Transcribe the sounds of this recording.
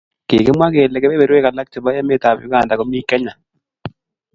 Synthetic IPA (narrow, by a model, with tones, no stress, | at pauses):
kḛ˨kɛ˦mwa˦keː˨lɛ˨kɛ˦βɛ˨ɾwe˦ka˨la˦k̚t͡ʃo˨ba˦ja˦me˦ta˨pjʊ̰˦ka˨nda˨ko˦mi˦kɛ˦ɲa˨